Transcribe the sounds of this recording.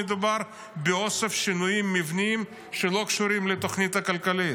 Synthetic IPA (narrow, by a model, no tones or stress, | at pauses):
ed̪ubaɾ | beose̞fʃinujimːivniim | ʃelo̞kʃuɾimlet̪o̞χnit̪hakalkalit